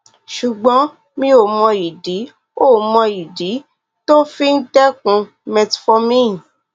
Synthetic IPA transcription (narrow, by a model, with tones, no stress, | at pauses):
ʃu˨ɡ͡bɔ̃˨˦ | mĩ˧o˨mɔ̃˧i˨di˨˦ | o˦˨mɔ̃˧i˨di˨˦ | to˦fi˦n̩˦tɛ˦kũ˧ | mɛ˧tfɔ˧mĩ˦˨